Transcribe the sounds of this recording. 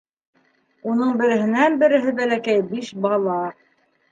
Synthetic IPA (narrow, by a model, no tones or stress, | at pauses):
unɤɴbɘ̆ɾɘ̆ɦɘ̆nænbɘ̆ɾɘ̆ɦɘbælækæjbiʃbɑlˠɑ